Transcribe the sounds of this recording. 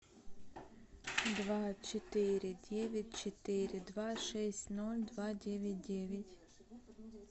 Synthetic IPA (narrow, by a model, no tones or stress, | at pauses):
d̪vat͡ʃɛt̪iɾʲid̪ʲɛvʲit̪ʲt͡ʃɛt̪iɾʲid̪vaʃɛsʲnulʲd̪vad̪ʲɛvʲit̪̚ʲdʲɛvʲit̪ʲ